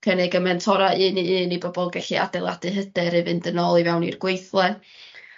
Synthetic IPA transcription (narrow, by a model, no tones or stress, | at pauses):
kʰənɪɡəmɛntʰɔɾaɨːniɨːnibɔbɔlˠɡɛɬia̰dɛlˠa̰dɨɦəd̥ɨɾɨvɨndənɔlˠivɛwnḭrɡ̥wejθlˠɛ